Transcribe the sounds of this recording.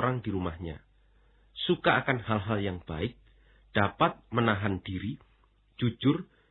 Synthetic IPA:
ɾaŋd̥iɾumahɲa̰ | sukaːkanhalɦaljaŋb̥aɪk̚ | d̥apat̪̚mənaɦand̥iɾi̥ | d͡ʒ̥ud͡ʒʊr

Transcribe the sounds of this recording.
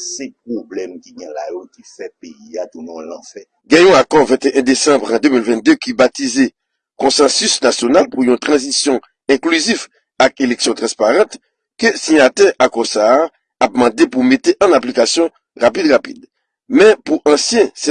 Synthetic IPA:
sɛp̚ʁoblɛmkiɡɛ̃lajokifɛpeiad̪unɔ̃lã̰fɛ | ɡɛ̃jɔ̃akɔvɛ̃t̪eʔɛ̃d̪esɑ̃bʁɑ̃d̪ømilvɛ̃t̪̚d̪økibat̪ize | kɔ̃sɑ̃sysnasjonalpujɔ̃t̪ʁɑ̃zisjɔ̃ | ɛ̃klyzif | akelɛksjɔ̃t̪ʁɑ̃spaʁɑ̃t̪ | køsiɲat̪ɛʔakɔsaː | ap̚mɑ̃d̪epumet̪eʔãnaplikasjɔ̃ | ʁap̬id̪ʁapḭd̪ | mɛ̃puʔɑ̃sjɛ̃sɛ

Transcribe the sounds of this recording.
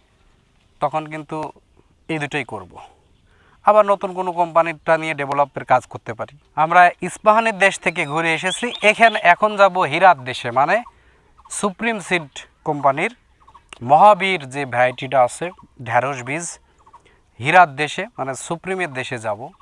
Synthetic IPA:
t̪ɔkʰonk̬int̪u | ejd̪uʈajkoɾbo̰ | abaɾnot̪unkonokɔmpaniʈanijeɖebʱolop̚ːeɾkad͡ʑkoɾt̪epaɾi | amɾaisbaɦoneɾd̪eʃt̪ʰek̬eɡʱoɾeeʃ̬et͡ɕʰiʔekʰɛnʔɛkʰond͡ʑaboɦiɾat̪̚d̪eʃemane | supɾimsiɖkɔmpaniɾ | mɔɦabiɾd͡ʑebʱajʈiʈaasʰe | ɖʱɛɾoʃbid͡ʑ | ɦiɾat̪̚d̪eʃemanesupɾimeɾd̪eʃed͡ʑabo

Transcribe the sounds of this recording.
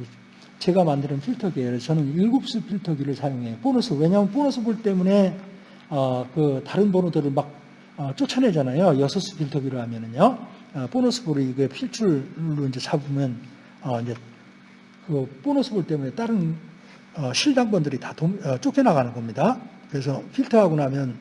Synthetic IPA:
t͡ɕe̞ɡamandɯɾɯnpʰiɭtʰʌɡiet͡ɕʌnɯniɭɡup̚s͈ɯpʰiɭtʰʌɡiɾɯɭsʰajoŋɦe̞jop͈onosʰɯwe̞ɲamɯnp̬͈onosʰɯbuɭt͈e̞mune̞ | ʌkɯtaɾɯnbonodɯɾɯɭmak̚ | ʌt͡ɕ͈ot͡ɕʰʌnɦe̞d͡ʑanajojʌsʰʌs͈ɯ̥pʰiɭtʰʌɡiɾɯɭhamjʌnɯno | ponosʰɯ̥buɾiɡɯepʰiɭt͡ɕʰuɭːoind͡ʑe̞sʰabumjʌn | ʌind͡ʑe̞ | kɯp͈onosʰɯbuɭt͈e̞mune̞t͈aɾɯn | ʌɕʰiɭdaŋbʌndɯɾitatoʌt͡ɕ͈okʰenaɣanɯnɡʌmɲida | kɯɾe̞sʰʌpʰiɭtʰʌɦaɡonamjʌn

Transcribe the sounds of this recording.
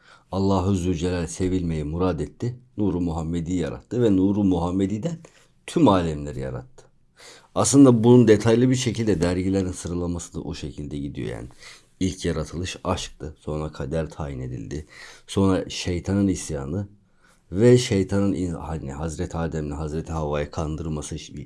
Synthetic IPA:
alˠːaːɦɯzylʲd͡ʒelʲæɾse̞vilʲme̞jimuɾaːd̪ɛt̪ʰːinuːɾumuɦamːed̪ijja̰ɾa̰t̪ʰːɯvɛnuːɾumuɦamːed̪iːd̪æn | t̪ʰymaːlʲɛmlʲeɾija̰ɾa̰t̪ʰːɯ̥ | aslˠɯnd̪abunund̪et̪ʰajlˠɯbiɾʃecʰilʲd̪ɛd̪æɾɟilʲeɾinsɯɾɯlˠamasɯd̪a̰ʔoʃecʰilʲd̪ɛɟid̪ijo̰ja̰n | ilʲcʰjaɾat̪ʰɯlˠɯʃaʃk̚t̪ʰɯso̞nɾakʰad̪æɾt̪ʰaːjine̞d̪ḭlʲd̪ɪso̞nɾaʃe̞jt̪ʰanɯnisja̰ːnɯ | vɛʃe̞jt̪ʰanɯnihanḭhazɾɛt̪ʰaːd̪ɛmlʲiɦazɾɛt̪ʰiɦavaːjakʰand̪ɯɾmasɯ

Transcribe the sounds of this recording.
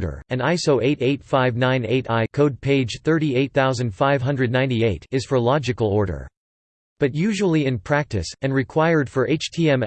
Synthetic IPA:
ɾə̰˞ɨ̃naɪsoʊʔeɪɾeɪtfaɪvnãɪ̃nḛɪɾaɪkʰoʊd̚pʰeɪ̥d͡ʒ̥θɜ˞ɾieɪt̪̚θaʊzɨ̃nd̥faɪv̥ɦʌ̃ndɹɨdⁿnãɪ̃ntieɪɾɨz̥fə˞lɑd͡ʒɨkl̩ˠɔɹɾə̰˞ | b̥ʌt̚jʉʒəl̩ˠiɨ̃npʰɹ̥æk̚tɨ̰sɨ̃nɹɨkʰw̥aɪə˞d̥fə˞ʔeɪt͡ʃtʰiɛ̃m

